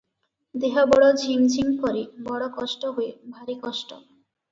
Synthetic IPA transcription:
d̪eɦɔbɔɽɔd͡ʑʱimd͡ʑʱimkɔɾibɔɽɔkɔʃʈɔɦoebʱaɾikɔʃʈɔ̰

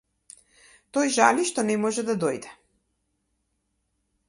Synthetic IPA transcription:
t̪ojʒaliʃt̪ɔnɛmɔʒɛd̪ad̪ɔjd̪ɛ

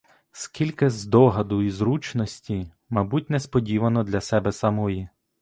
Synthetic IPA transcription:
skʲilʲkɪzd̪ɔɦɐd̪ʊizɾut͡ʃnɔsʲtʲi | mɐjbutʲnɛspɔdʲiʋɐnɔd̪lʲɐsɛbɛsɐmɔji

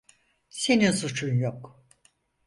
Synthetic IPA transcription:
se̞ninsut͡ʃʰunjok

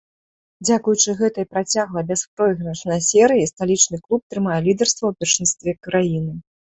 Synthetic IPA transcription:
d͡zʲakujut͡ʂɨɣɛt̪ɐjpɾat͡sʲaɣlˠɐbʲɛspɾɔjɣɾɐʂnɐjsʲɛɾɨjist̪alʲit͡ʂnɨklˠup̚t̪ɾɨmajɛlʲid̪ɐrst̪vɐwpʲɛrʂɨnst̪vʲɛkɾajinɨ

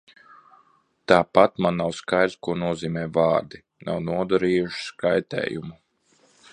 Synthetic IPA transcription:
t̪aːpat̪manːawskajd̪kuɔnuɔziːmɛːva̰ːɾd̪i | na̰wnuɔd̪aɾiːjuʃi̥skajt̪ɛ̰ːjumu

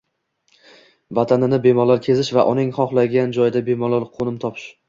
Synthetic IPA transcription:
vat̪ʰanɪnɪbe̞mɒlaɾkʲʰe̞zɪʃvaʔʊnɪŋχɒχlˠaɡʲand͡ʒɒjɪd̪abe̞mɒlaɾqʰonɪmt̪ʰɒpʰɪ̥ʃ

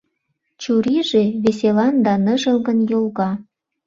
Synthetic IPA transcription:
t͡ɕuɾiʒeβeselɑnd̪ɑnəʒəlɣə̆njolɣɑ

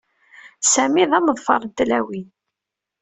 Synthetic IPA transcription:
sæmiðæməðˤfɑ̰ɾˤənt̪læwin

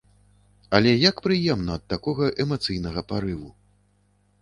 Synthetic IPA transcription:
ɐlʲɛjakpɾɨjɛmnɐːt̪ːakɔɣɐʔɛmat̪sɨjnɐɣɐpaɾɨvu

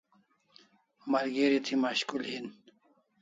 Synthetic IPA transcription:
mɐɾɡeɾit̪ʰimaɕkulhin

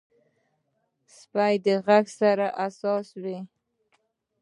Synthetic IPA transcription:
spajd̪əɣaɡsaɾaʔasɑswi

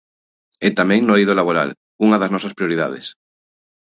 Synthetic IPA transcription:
ɛt̪amɛ̃ŋnojðolaβoɾa̰l | uŋɐðɐznɔsɐspɾijoɾiða̰ð̞ḛs

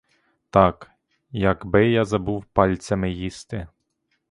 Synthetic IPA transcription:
t̪ɑk | jɐɡbɪjazɐbuwpɑlʲt̪sʲɐmɪjist̪ɪ

